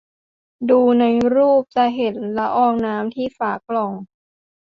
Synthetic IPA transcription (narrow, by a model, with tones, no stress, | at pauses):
duː˧na˧jɾuː˥˩p̚t͡ɕa˧˩ɦe˨˩˦nla˦˥ʔɔː˧˥˩ŋnaː˦˥mt̪ʰiː˥˩faː˨˩˦kːlɔ˧˩ŋ